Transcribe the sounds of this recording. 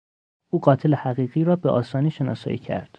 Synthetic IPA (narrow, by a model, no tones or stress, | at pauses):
ʔuːɢɒːt̪ʰelehæɣiːɣiːɾɒːbeʔɒ̰ːsɒːniːʃenɒ̰ːsɒ̰ːjḭːcʰæ̰ɾd̪̥